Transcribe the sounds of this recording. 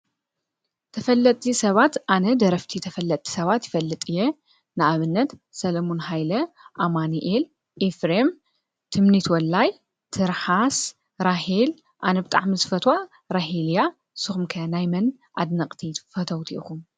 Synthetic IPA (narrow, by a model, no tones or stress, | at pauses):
t̪ʰɐfɐlːɐt̪ʼːisɐβat̪ʔanɐd̪ɐɾɐft̪ʰit̪ʰɐfɐlːɐt̪ʼʰːi̥sɐβat̪jɪfɐlːɨt̪ʼije | nɨʔaβɨnːɐt̪sɐlɐmonɦajlɐ | ʔamaniʔel | ʔefɾem | t̪ʰɨmnit̪wɔlːaj | t̪ʰɨɾħas | ɾahel | ʔanɐbɨt̪ʼa̰ʕmizɨfɐt̪ʰwa | ɾaɦelja | sɨxumkʰɐnajmɐn | ʔad̪nɐqʼt̪ʰifɐt̪ʰɐwt̪ʰiʔkum